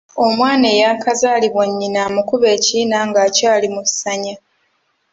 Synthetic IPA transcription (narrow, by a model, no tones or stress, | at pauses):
o̞mwaːnejakazaːliβwaɲːinaːmukuβe̞ːciːnaŋɡaːcaːlimusaɲa